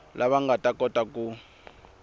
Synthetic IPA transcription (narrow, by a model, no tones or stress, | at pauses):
laβaŋɡatʼakʼɔtʼaku